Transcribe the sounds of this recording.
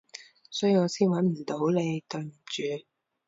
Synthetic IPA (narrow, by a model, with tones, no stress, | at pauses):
sœ̥ː˨˥jyː˨˧ŋɔː˨˧siː˥nwɐ˨˥nm̩˨˩t̪o˨˥wle˨˧jt̪ɵ˨˧ɥm̩˨˩t͡ʃyː˨˧